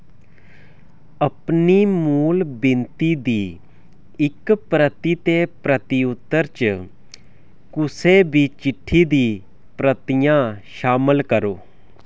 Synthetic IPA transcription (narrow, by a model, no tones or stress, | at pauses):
əpniːmuːlbɪnt̪iːd̪iː | ɪkpɾət̪iːt̪eːpɾət̪iʊt̪ːəɾt͡ʃ | kʊsebʱiːt͡ʃɪʈʰːiːd̪iː | pɾət̪ijãːʃaːməlkəɾoː